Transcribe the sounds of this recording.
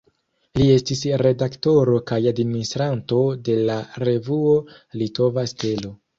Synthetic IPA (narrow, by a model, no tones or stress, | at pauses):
lie̞stisɾe̞dakto̞ɾo̞kajadmininistɾanto̞de̞laɾe̞vuo̞ | lito̞vaste̞lo̞